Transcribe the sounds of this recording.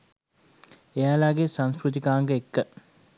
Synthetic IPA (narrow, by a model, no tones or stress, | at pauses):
ejalaɡesaŋskɾut̪̬ikaːŋɡəekːə